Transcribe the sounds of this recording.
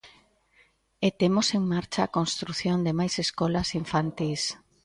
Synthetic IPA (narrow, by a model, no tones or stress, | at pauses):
et̪emoseŋmaɾt͡ʃaːkonst̪ɾuθjond̪emajseskɔlasiɱfant̪is